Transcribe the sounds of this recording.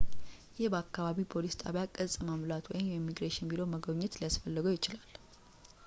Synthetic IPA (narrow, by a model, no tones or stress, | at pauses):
jɛhbəakːaβaβipʰo̞list̪ʼa̰βjakʼəzʼmamlat̪wɔjɪmjɛimːiɡɾeʃɪnbilowməɡəɲːɛt̪lijasfəlːəɡojɪt͡ʃɪlal